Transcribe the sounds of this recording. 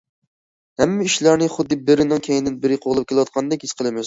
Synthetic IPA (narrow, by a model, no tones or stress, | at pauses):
hɛmːɪiʃlæɾnɪχʊd̪ːɪbɪɾɪnɪŋkʲʰejind̪ɪnbɪɾɪqʰoʁlˠɨp̚kʲelɨwɑt̪̚qʰɑnd̪ɛkʲhisqʰəlˠɨmɪz